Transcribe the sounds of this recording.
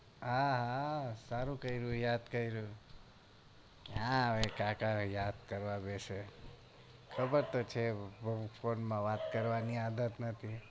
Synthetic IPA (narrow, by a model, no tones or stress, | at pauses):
ãɦasaɾũkəiɾũjad̪kəiɾũ | ãəʋekakajad̪kəɾʋãbeʃe | kʰəbəɾt̪ot͡ʃʰebufʰonmãʋat̪kəɾʋaniad̪ət̪nət̪ʰi